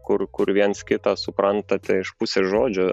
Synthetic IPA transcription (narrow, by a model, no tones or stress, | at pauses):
kʊrkʊɾʋʲiɛnskʲɪt̪ɑsʊpɾɐnt̪ɐt̪ʲɛɪʃpʊsʲeːʒoːd͡ʒʲʊ